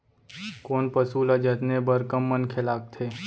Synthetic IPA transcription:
koːnpəsuːlad͡ʒət̪nebəɾkəmːənkʰelaːk̚t̪ʰeː

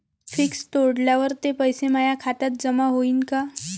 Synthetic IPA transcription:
fikst̪oɽljaʋəɾt̪epəjsemajakʰat̪at̪̚d͡zəmaɦoiːnka

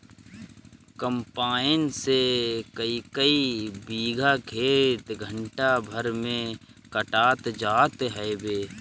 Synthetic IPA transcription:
kəmpaːɪnsekəikəibiːɡʱakʰeːt̪ɡʱə̃ɳʈabʱəɾmẽ | kəʈaːt̪d͡ʒaːt̪ɦɛbeː

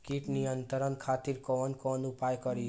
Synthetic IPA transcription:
kiʈnijənt̪əɾənkʰat̪iɾkɔnkɔːnupajkɔɾi

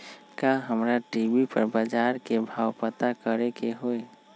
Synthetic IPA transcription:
kaɦəmɾaʈibipəɾbad͡ʒaːɾkebʱaːwpət̪akəɾekeɦoe

